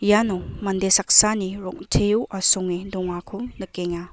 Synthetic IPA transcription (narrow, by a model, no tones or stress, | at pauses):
janɔmandesak̚saniɾɔŋtʰejuʔasɔŋidɔŋakʰumnɯkeŋa